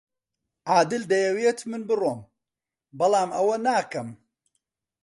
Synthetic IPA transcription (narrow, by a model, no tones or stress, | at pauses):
ʔaːd̪ɨld̪ɐjɐweːt̪mɨnbɨroːm | bɐlˠaːmɐwɐnaːkɐm